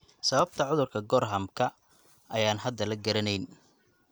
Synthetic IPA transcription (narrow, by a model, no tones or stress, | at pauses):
sɐβɐb̚t̪ʰɐʕʊðʊrkʰɐɡɔrɦɐmkʰɐ | ʔɐjaːnɦɐd̪ːɐlɐɡɐɾɐnɛjn